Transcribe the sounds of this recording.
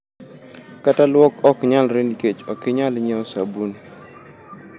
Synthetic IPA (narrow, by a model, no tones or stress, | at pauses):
katalwɔkɔkɲalɾeniket͡ʃɔkɪɲalɲɛɔsabun